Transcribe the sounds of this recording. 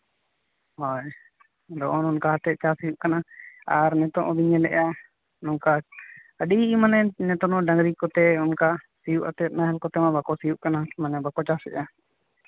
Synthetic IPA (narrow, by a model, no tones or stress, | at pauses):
hɔj | d̪ɔʔɔnɔnkaɦat̪ɛt̪̚t͡ʃasijuʔkanaaɾnɛt̪ɔʔɔbiɲɛlɛʔa | nɔŋka | əɗiimanɛnɛt̪ɔnɔɖaŋɡɾikɔt̪ɛɔnkasijuʔat̪ɛt̪̚naɦɛlkɔt̪ɛmabakɔsijuʔkanamanɛbakɔt͡ʃasɛ̰ʔa